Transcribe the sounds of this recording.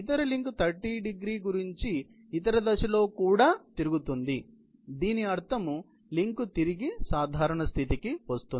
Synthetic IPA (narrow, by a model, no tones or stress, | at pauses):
it̪ɐɾɐliŋkt̪ʰɐɾʈːiːɖiɡɾiːɡuɾiɲt͡ʃiː | t̪ɐɾɐd̪ɐʃɐlo̞ːkuːɽaːt̪iɾuɡut̪und̪i | d̪iːniɐɾt̪ʰɐmu | liŋkut̪iɾiɡisaːd̪ʱaːɾɐɳɐst̪ʰit̪ikiʋɐst̪uni